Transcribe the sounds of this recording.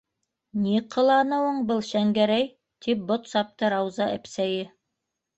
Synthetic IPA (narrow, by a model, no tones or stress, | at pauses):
niqʰɤ̆lˠɑnɤ̆wɤɴbɤlˠɕæŋɡæɾæj | t̪ip̚bŏt̪sɑp̚t̪ɤɾɑwzɑʔɘ̆psæjɘ